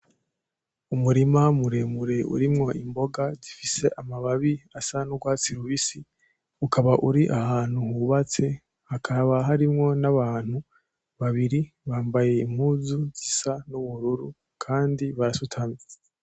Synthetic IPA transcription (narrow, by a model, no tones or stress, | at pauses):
umuɾimamuɾemuɾe̞ʔṵɾimŋo̞ʔimbo̞ɡazifise̞ʔamaβaβiasanuɡwaːt͡siɾuβisi | ukaβaʔuɾiʔahaːn̥huhuβat͡se̞ | hakʰaβaɦaɾimŋo̞naβaːn̥hu | βaβiɾi | βaːmbaje̞im̥huːzuzisanuβuɾuɾu | kʰaːndiβaɾasutʰami